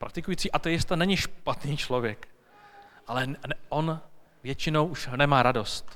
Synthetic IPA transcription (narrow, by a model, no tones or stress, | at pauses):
pɾak̚t̪ɪkujiːt͡siːʔat̪ɛjɪst̪anɛɲɪʃpat̪niːt͡ʃlo̞vjɛk | ʔalɛʔo̞n | vjɛt͡ʃɪno̞wʔuʃnɛmaːɾado̞st̪